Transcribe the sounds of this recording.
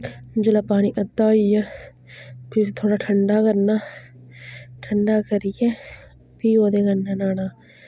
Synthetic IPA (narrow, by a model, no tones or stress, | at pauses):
d͡ʒəlaːpaːɽ̃iːʔəd̪aːija | pɪsiːt̪ʰoːɽaːʈʰəɳɖaːkəɾnaː | ʈʰəɳɖaːkəɾɪjɛ̃ː | piːoːd̪eːɡənːaːnaːnaː